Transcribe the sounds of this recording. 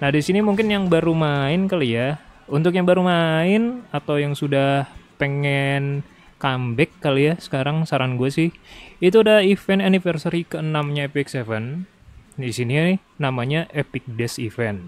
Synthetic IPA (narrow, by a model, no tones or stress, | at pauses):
nahdisinimuŋkɪnjaŋbaɾumaɪnkalijaunt̪ʊkjaŋbaɾumaɪnat̪awjaŋsudahpeŋɛn | kambɛkːalijasə̥kaɾaŋsaɾaŋɡuasɪhit̪uadaifɛnanifərsaɾikəənamɲaepɪksevən | disini | namaɲaʔepɪk̚dɛsifɛn